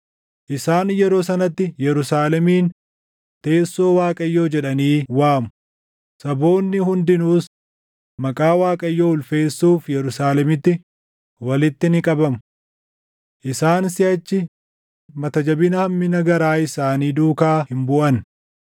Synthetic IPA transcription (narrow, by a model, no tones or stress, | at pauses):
ʔɪsaːnjɛɾo̞ːs̬ɐnɐt̪ːɪjɛɾʊsaːlɛmiːn | t̪e̞ːsːo̞ːwaːkʼɐjːo̞ːd͡ʒɛᶑɐniːwaːmʊ | sɐbo̞ːnːɪhʊnd̪ɪnuːs | mɐkʼaːwaːkʼɐjːoːʊlfe̞ːsːuːfjɛɾʊsaːlɛmɪt̪ːɪ | wɐlɪt̪ːɪnɪkʼɐbɐmʊ | ʔɪsaːnsɪɐt͡ʃːɪ | mɐt̪ɐd͡ʒɐbɪnɐhɐmːɪnɐɡɐɾaːɪsaːniːd̪uːkaːhɪmbʊʔɐn